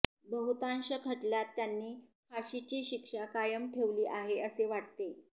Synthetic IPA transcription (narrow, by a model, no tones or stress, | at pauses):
bəɦut̪anɕəkʰəʈljat̪ːjanːiːfʰaɕit͡ɕiːɕikʂakajəmʈʰeʋliːʔaɦeəseʋaʈt̪e